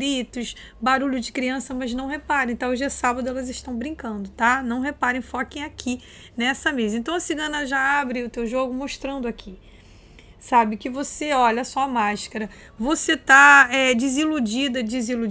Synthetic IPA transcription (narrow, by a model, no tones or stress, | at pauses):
ɾit̪ʊʃ | baɾuʎʊd͡ʒɪkɾiɐ̃sɐmɐznɐ̃w̃ɦepaɾẽẽt̪ɐ̃w̃ʊʒd͡ʒiɐsabɐd̪ʊɛlɐzɪʃt̪ɐ̃w̃bɾĩŋkɐ̃nd̪ʊt̪anɐ̃w̃ɦepaɾẽj̃fɔkẽj̃akʰi | nɛsɐmezɐẽt̪ɐ̃w̃ɐsiɡɐ̃nɐʒaabɾɪʊt̪ewʒoɡʊmoʃt̪ɾɐ̃nd̪ʊakʰi | sabɪkɪvoseɔʎɐsɔɐmaʃkɐɾɐ | voset̪aɛd͡ʒɪzilud͡ʒid̪ɐd͡ʒizilu